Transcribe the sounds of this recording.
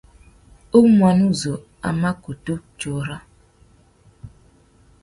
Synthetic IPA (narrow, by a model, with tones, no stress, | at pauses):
o˦mʷa˨nu˦zo˨ | a̰˨ma˦ko˨to˦t͡ʃo˨˦ɾa˦